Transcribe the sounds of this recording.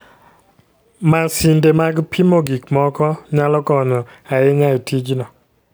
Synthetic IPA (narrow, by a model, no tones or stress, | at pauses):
masindemaɡpʰimoɡikmɔkɔɲalɔkɔnɔaɪɲaitʰid͡ʒnɔ